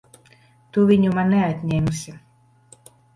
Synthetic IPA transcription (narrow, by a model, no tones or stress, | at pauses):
t̪uvʲiɲumaːɛat̪ʲɲʲɛːmusʲi